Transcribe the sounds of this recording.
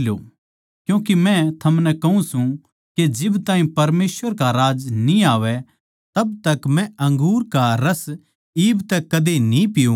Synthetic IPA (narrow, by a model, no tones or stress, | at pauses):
lo̰ | kjũːkimɛ̃t̪ʰɐmnɛkɐũsũ | ked͡ʒɪbt̪ãːɦĩpɐɾmeːsʋəɾkaɾaːd͡ʒnĩaːʋɛ | t̪ɐb̚t̪ɐkmɛ̃ɐ̃ŋɡuːɾkaɾɐs | iːbt̪ɛkɐd̪enĩpɪjũ